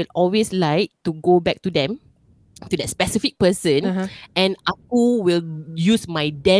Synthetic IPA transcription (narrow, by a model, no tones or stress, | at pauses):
ilɔlweslaɪk̚tuɡobɛk̚tudɛ̃m | tudɛt̚spɛsifik̚pəsə̃nʔɛ̃nak̚uwiljusmajdɛ̃